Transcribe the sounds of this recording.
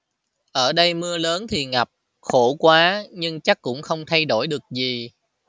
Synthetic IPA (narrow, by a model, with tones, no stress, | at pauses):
ʔəː˧˩ɗə˧jmɨ˧ələː˨˦nt̪ʰi˨˩ŋa˨˩p̚ | xo˧˩kwaː˨˦ɲɨ˧ŋt͡ɕa˦˥kːʊ̰˧˥ŋ͡mxə˧wŋ͡mt̪ʰa˧jɗo˧˩jɗɨ˨˩ək̚zi˨˩